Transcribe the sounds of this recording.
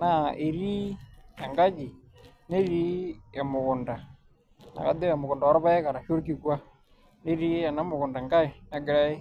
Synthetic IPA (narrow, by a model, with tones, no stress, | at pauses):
na˨e˨ɾi˦ja˨ŋɡa˦d͡ʒi˨ | ne˦ɾi˦ɛ˨mʊ˨ɣʊ˨nda˨ | na̰˨ka̰˦d̪e˦wa˨mʊ˨ɣʊ˨nda˨a˦ɾɔ˦βa˦ɛ˦ka˨ɾa˨ʃo˦ɾk̬i˨kwa˦ | ne˦ɾi˦ja˨na˦mʊ˨ɣʊ˨nda˨ŋɡa˦i˨na˦ɡɪ˨˦ɾa˦e˦